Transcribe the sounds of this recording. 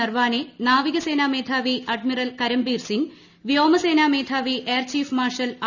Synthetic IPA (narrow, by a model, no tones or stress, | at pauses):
ɐrʋaːnenaːʋiɣɐse̞ːnaːmeːd̪ʰʱaːʋiʔɐɖmirɐlkɐɾɐmbiːrsiŋ | ʋijoːmɐse̞ːnaːme̞ːd̪ʰʱaːʋiʔeːrt͡ɕiːfmaːrʂɐla